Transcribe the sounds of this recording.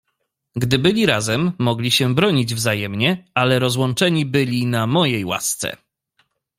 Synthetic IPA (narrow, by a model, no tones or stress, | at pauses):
ɡd̪ɘbɘlʲiɾazɛmːɔɡlʲiɕɛbɾɔɲid͡ʑvzajɛmɲɛalɛɾɔzwɔnt͡ʂɛɲibɘlʲinamɔjejwa̰st̪sɛ̰